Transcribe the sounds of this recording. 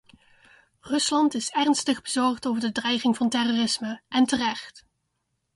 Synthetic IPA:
rɵslɑntɪsɛrnstəχbəzɔɹχtowvəɹdədrɛjχɪŋvɑntɛroːrɪsməʔɛntərɛχt

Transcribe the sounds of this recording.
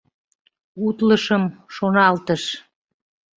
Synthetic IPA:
ut̪ləʃəmʃonɑlt̪əʃ

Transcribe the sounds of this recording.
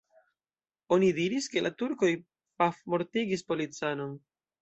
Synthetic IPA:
o̞nidiɾiske̞lʔatuɾko̞j | pafmo̞ɾtiɡispo̞lit͡sano̞n

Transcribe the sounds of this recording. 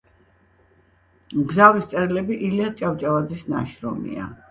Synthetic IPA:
mɡzavist̪sʼɛɾilɛbiʔiliat͡ʃʼavt͡ʃʼavad̪zisna̰ʃɾɔ̰mḭa̰

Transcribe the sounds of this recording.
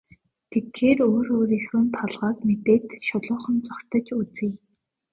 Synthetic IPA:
t̪ʰekxeːroːroːɾixŭːnt̪ʰɔɮʁɔːkmet̪eːt̪ʃʊɮʊːχə̆nt͡sɔkt̪ə̆t͡ɕut͡sɘ̆j

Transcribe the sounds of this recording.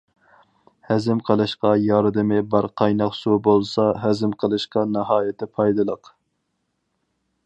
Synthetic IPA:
hɛzɪmqʰəlˠɨʃqɑjɑɾd̪ɨmɪbɑɾqʰɑjnɑqsubolˠsɑɦɛzɪmqʰəlˠɨʃqɑnɑɦɑːjɪt̪ʰɪpʰɑjd̪ɨlˠəq

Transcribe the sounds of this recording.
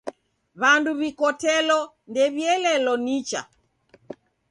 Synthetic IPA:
βanduβikɔtɛlɔ | ndɛβjɛlɛlɔnit͡ʃa̰

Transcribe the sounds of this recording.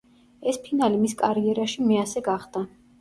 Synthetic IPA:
ɛspʰinalimiskʼaɾiɛɾaʃimɛasɛɡaχd̪̥a

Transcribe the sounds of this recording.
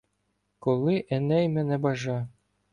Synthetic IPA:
kolˠɪʔɛnɛjmɛnɛbɑʒɑ

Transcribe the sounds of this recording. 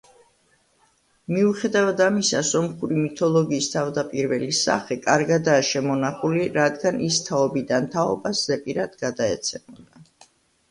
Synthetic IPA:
miuχɛd̪avad̪amisasɔmχuɾimit̪ʰɔlˠɔɡiːst̪ʰavd̪apʼiɾvɛlisa̰χɛkʼaɾɡad̪aːʃɛmɔnaχuliɾad̪ɡanʔist̪ʰaɔbid̪ant̪ʰaɔ̰baszɛpʼiɾad̪̥ɡad̪aɛ̰t̪sʰɛmɔd̪a

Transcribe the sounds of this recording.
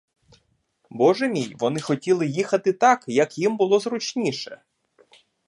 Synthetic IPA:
bɔʒemʲijʋɔn̪ɪxɔtʲilˠɪjixɐt̪ɪt̪ɑkjɐkjimbʊlˠɔzɾʊt͡ʃnʲiʃɛ

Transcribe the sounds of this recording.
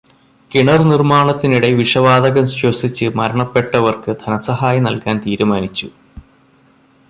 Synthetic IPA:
kiɳɐrnirmaːɳɐt̪ːiniɽe̞ʋiʂɐʋaːd̪ɐɣɐmsosit͡ɕːɨmɐɾɐɳɐpːe̞ʈːɐʋɐrkɨd̪̥ʱɐnɐsɐɦaːjɐnɐlkaːnt̪iːɾumaːnit͡ɕːu

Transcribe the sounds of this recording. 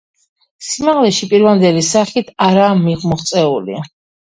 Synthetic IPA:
simaʁlɛʃipʼiɾvand̪ɛlisaχit̪ʰaɾaːmiʁmɔχt̪sʼɛulḭ

